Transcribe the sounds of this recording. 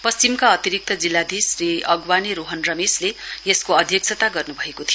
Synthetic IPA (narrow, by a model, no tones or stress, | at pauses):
pʌst͡simkaʌt̪iɾik̚t̪ʌd͡zilːad̪isriʌɡwaniɾoɦʌnrʌmeslejeskoʌd̪ʱjʌk̚t͡sʰʌt̪aɡʌrnubʱʌekot̪ʰijo